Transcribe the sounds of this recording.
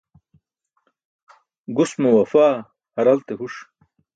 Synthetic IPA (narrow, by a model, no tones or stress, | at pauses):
ɡusmuwɐfaː | hɐɾɐlt̪ehuʂ